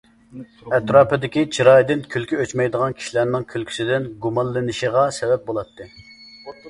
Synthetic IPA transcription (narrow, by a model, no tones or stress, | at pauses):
ɛt̪ɾɑːpɨd̪ɪkʲit͡ʃʰiɾɑjd̪ɪnkʲʰylkʲyøt͡ʃmɛjd̪əʁɑnkʲʰi̥ʃilæɾnɪŋkʲʰylkʲʰy̥sɪd̪ɪnɡumɑnˠːɨnɨʃiʁɑsɛbɛp̚bolˠɑt̪ʰːɨ